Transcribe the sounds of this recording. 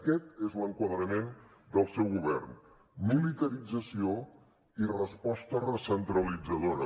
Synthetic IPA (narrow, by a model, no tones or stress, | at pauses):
əkɛt̪ezləŋkwəðɾəmend̪əlˠsɛwɣuβ̞ɛ̰rn | mulit̪əɾid͡zəsio | irəspɔst̪ərəsənt̪ɾəlid͡zəðoɾə